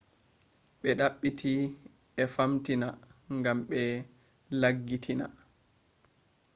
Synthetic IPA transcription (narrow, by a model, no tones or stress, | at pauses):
ɓɛɗaɓːitʰi | ɛfamtinaŋɡamɓɛ | laɡːitʰina̰